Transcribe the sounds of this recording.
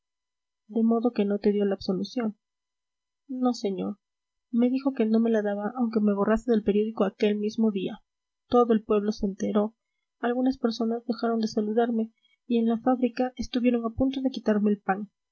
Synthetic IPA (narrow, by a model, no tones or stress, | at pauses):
d̪e̞mo̞ðo̞ke̞no̞t̪e̞ðjo̞laːbso̞lusjo̞n | no̞se̞ɲo̞̰ɾ | me̞ðixo̞ke̞no̞me̞laðaβaʔːwŋke̞meβo̞raseðe̞lpe̞ɾjo̞ðikoake̞lmizmo̞ðia | t̪o̞ðo̞e̞lpwe̞βlo̞se̞ːnt̪eɾo̞ | alɣunaspe̞ɾso̞nazðe̞xaɾo̞nd̪e̞saluðaɾme̞ | ie̞nlafaβɾikae̞st̪uβje̞ɾo̞ŋapunt̪o̞ðe̞kit̪aɾme̞ːlpaŋ